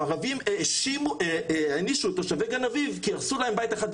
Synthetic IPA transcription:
aʁavimeʃimueaniʃuet̪aʃaveɡanavivkiaʁsulahembajt̪eχad̪̚

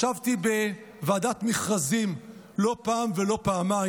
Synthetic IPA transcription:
avtibe̞ | vaːdat̪miχʁazim | lo̞paːmve̞lo̞paːma

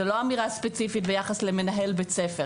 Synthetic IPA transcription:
elo̞amiʁaspet͡sifitbejaχaslemenaɦe̞lbet͡sefe

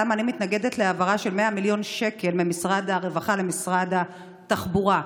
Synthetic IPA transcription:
amanimit̪naɡe̞d̪e̞t̪leavaʁaʃe̞lmeamiljo̞nʃe̞ke̞lmemisʁad̪aʁe̞vaχale̞misʁad̪a | t̪aχbuʁa

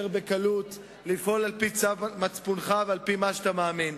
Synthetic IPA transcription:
ʁbekalut̪ | lifʔo̞lalpit͡savmat͡spunχavealpimaʃat̪amaːmin

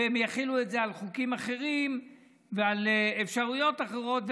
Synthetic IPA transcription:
emjaχiluetze̞alχukimaχe̞ʁim | vealefʃaʁujo̞taχeʁo̞tv

